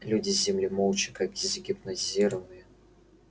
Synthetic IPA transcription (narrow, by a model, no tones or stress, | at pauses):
lʲudʲɪzʲɪmlʲɪmolˠt͡ɕɪ̥kakʲɪzɡʲɪpnɐzʲiɾəvɨjɪ